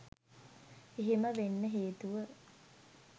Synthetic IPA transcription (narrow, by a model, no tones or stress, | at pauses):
eɦiməʋenːəɦeːt̪uʋə